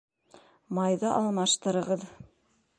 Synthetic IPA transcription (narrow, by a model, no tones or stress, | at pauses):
mɑjðɤʔɑlˠmɑʃt̪ɤ̆ɾɤ̆ʁɤð